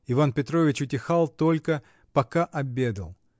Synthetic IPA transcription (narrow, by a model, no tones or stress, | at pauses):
ɪvanpʲɪt̪ɾo̞vʲɪt͡ɕʊtʲɪxalˠt̪o̞lʲkə | pɐkaʔɐbʲe̞d̪ə̰lˠ